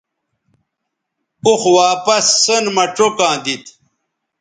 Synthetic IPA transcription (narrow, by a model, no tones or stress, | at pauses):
uxwaːpɐsːənmɐʈ͡ʂokãːd̪it̪